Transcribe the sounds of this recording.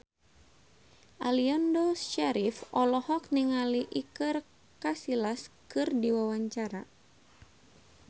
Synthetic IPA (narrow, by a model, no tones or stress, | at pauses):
ʔaliandoʃaɾifɔlɔhɔk̚niŋaliʔikɨr | kasilaskɨrdiwawaɲt͡ʃaɾa